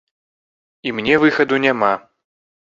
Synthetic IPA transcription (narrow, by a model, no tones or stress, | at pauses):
imnʲɛvɨxɐd̪unʲama